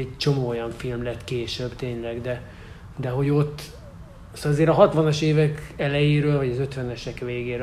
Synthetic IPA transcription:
ɛɟt͡ʃo̞moːojɒɱfilmlɛt̪ːkeːʃøbt̪eːɲlɛɡd̪ɛ | d̪ɛɦo̞ɟo̞t̪ː | sɒzeːɾɒɦɒt̪ʋɒnɒʃeːvɛkɛlɛjeːɾøːlvɒɟɒzø̞t̪ʋɛnɛʃɛkveːɡeːɾ

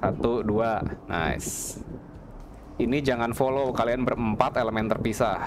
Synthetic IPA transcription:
sat̪uduana̰js | inid͡ʒaŋanfolowkalianbərəmpat̪eləmɛnt̪ərpisah

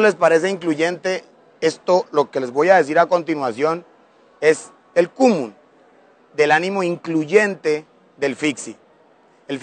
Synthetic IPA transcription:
le̞spaɾe̞s̬eiŋkluʝe̞nt̪e̞ | e̞st̪o̞lo̞ke̞le̞zβo̞jaðe̞s̬iɾako̞nt̪inwasjo̞n | e̞s | elkumũn | d̪e̞lanĩmo̞iŋkluʝe̞nt̪e̞ | ðe̞lfiksi | elf

